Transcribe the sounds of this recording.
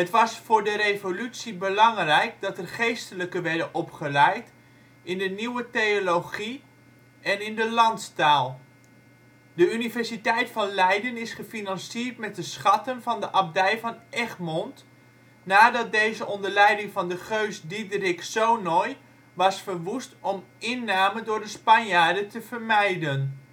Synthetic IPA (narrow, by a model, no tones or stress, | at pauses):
ɦətʋɑsfʊːɹdəɾejvolytsibəlɑŋrɛjk̚dɑtɛrχejstələkəʋɛɹdənʔɔpχəlɛjt | ɪndəniwətejoloχi | ɛnɪndəlɑntstaːlˠ | dəynivɛɹsitɛjtfɑnlɛjdənɪsχəfinɑnsiəɹtmɛt̚dəsχɑtənvɑndəʔɑb̚dɛjvɑnʔɛχmɔnt | naːdɑt̚dejzəʔɔndəɹlɛjdɪŋvɑndəχøɥsdidrɪksownɔj | ʋɑsfəɹʋustɔmɪnːaːməndʊːɹdəspɑnjaːɹdətəv̥əɹmɛjdən